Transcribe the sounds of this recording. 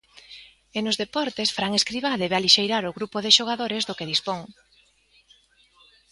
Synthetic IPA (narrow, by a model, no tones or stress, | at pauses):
enʊzðepɔɾt̪esfɾaŋeskɾiβaðɛβealiʃejɾaɾʊɣɾupoðeʃoɣaðoɾezðokeð̞ispoŋ